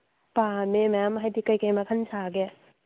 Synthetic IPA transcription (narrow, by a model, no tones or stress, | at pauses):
pamemajamɦajdikajkɐjmɐkʰɐnsaɡe